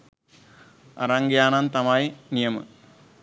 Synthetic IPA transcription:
ɐ̰ɾaːŋɡjaːnaːnt̪ɐmaːjinijɐmɨ̰

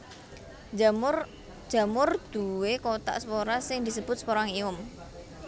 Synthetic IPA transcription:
d̥ʒ̥a̤mʊrd̪̥uwekot̪a̰ʔspoɾasɪŋd̪isəb̥ʊt̪̚spoɾaŋiʊm

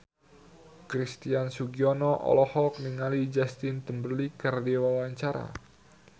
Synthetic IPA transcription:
kɾist̪iansuɡiɔnɔʔɔ̰lɔhɔk̚niŋalid͡ʒast̪ɪnt̪əmbərlikardewawaɲt͡ʃaɾa̰

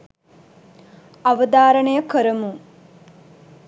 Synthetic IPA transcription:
aʋəd̪aːɾəɳəjəkəɾəmu

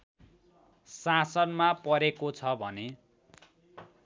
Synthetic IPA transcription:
sasʌnmapʌɾekot͡sʰʌbʱʌne

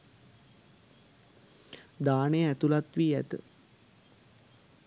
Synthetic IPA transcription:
d̪aːnejəæt̪ulat̪ʋiːæ̰t̪ə̰

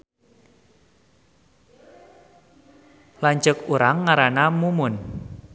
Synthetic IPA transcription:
laɲt͡ʃəkuɾaŋːaɾanamumʊn

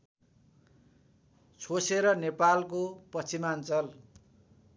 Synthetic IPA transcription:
t͡sʰoseɾʌnepalkopʌst͡simant͡sʌl

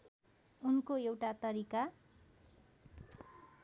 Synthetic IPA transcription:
unkoewʈat̪ʌɾika

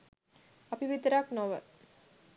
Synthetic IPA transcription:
ɐpiʋit̪əɾaknoʋə

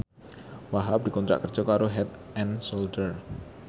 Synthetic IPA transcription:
waɦap̚dikɔnt̪ɾa̰ʔkərd͡ʒɔkaɾoɦɛt̪̚ɛnsoldər

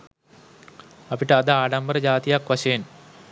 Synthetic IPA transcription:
ɐpiʈːɨɐd̪ɨaːɽɐmbɐɾɐd͡ʑaːt̪ijɐkʋɐɕɐjɐn

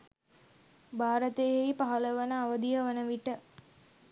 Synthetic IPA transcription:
bʱaːɾət̪eejipaɦɐləʋənəaʋəd̪ijəʋənəʋiʈə

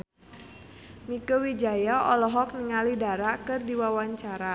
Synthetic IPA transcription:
mikəwid͡ʒajaɔlɔɦɔk̚niŋalidaɾakɨrdiwawaɲt͡ʃaɾa

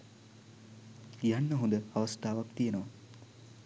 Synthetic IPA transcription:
janːəɦund̪əaʋɐst̪aːʋakt̪ijenəʋa

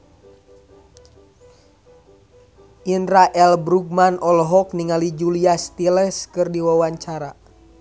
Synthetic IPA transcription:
ʔinɾaʔɛlbɾuɡ̚manʔɔlɔɦɔk̚niŋalid͡ʒuliast̪ilɛskɨrdiwawaɲt͡ʃaɾa

